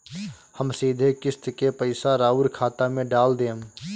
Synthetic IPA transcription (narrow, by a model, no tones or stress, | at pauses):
həmsiːd̪ʱekɪst̪kepəɪsaɾaːʊɾkʰaːt̪amẽɖaːld̪eːm